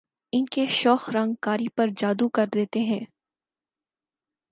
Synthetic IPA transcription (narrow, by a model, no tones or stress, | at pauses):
ɪnkeʃɔːxɾɐ̃ŋɡkaːɾipɐɾd͡ʒaːd̪ukɐɾd̪eːt̪eɦɛ̃ː